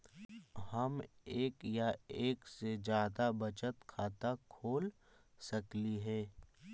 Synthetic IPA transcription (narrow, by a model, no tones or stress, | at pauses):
həmeːkjaeːksed͡ʒjaːd̪abɐt͡ʃət̪kʰaːt̪akʰoːl | sɐkliɦɛ̃ː